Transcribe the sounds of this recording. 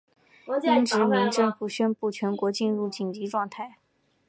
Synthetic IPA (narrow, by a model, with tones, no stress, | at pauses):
i˥˧˥nʈ͡ʂɻ̩˧˥mi˧˥˧ŋʈ͡ʂɤ˥˧ŋfu˨˩ɕɥɛ˥npu˥˩t͡ɕʰɥɛ˧˥nkwɔ˧˥t͡ɕi˥˧nɻu˥˩t͡ɕi˨˩ŋt͡ɕi˧˥ʈ͡ʂwɑ˥˧ŋt̪ʰa˥˩ɪ